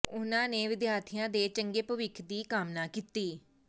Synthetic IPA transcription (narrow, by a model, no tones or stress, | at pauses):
ʊnãːneːʋɪd̪jaːɾt̪ʰijãːd̪eːt͡ʃəŋɡeːpəʋɪkʰd̪iːkəmnaːkiːt̪iː